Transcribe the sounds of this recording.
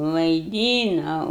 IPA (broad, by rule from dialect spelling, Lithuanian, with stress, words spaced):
ʋɐɪˈdʲiːnɐʊ